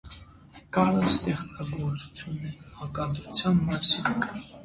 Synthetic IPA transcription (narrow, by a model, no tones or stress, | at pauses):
kʼaɾast̪ɛχt͡sʼɑɡuɔt͡sʰu̥t͡sʰjunɛɑkʼɑt̪ɾut͡sʰjanmɑsin